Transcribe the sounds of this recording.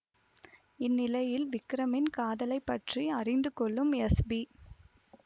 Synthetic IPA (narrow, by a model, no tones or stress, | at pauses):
ɪnːɪlɐjɪlʋɪkɾɐmɪnkaːðɐlɐɪpːɐʈriɐrɪnd̪ɯkɔɭːɯmɛsbi